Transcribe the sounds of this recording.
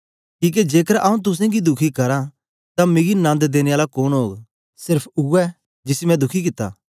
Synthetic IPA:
kiːk̬ed͡ʒeːkəɾʔaːũt̪̬ʊs̬ẽɡid̪ʊkʰikɐɾa | t̪ãmeɡinãːnd̪d̪eːneaːlakoːnɦoːɡ | sɪɾpʰʊɛ | d͡ʒɪsimɛ̃d̪ʊkʰik̬ɪt̪ːa̰ː

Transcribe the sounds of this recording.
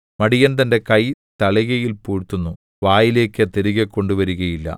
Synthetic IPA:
mɐɽijɐnt̪̬ɐnde̞kɐjt̪ɐɭiɣɐjilpuːɻt̪ːunːu | ʋaːjile̞ːkːɐt̪eɾiɣɐkːo̞ɳɖuʋɐɾuɣɐjilːɐ̰

